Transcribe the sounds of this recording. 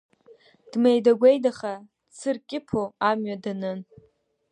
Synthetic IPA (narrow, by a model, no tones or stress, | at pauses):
d̥mejdaɡʷejdaχḁ | t͡sʰɨrkʲʼɪpʰoamɥadanɨn